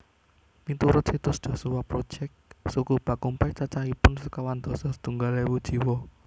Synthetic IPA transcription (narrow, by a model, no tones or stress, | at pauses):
mit̪uɾʊt̪sit̪ʊsd̪̥ɔ̤suwapɾo̥ʒ̥ɛk̚sukub̥ä̤kumpat͡ʃat͡ʃaipʊnsəkawand̪̥ɔ̤sɔsə̥t̪uŋɡalewud̥ʒ̥i̤wɔ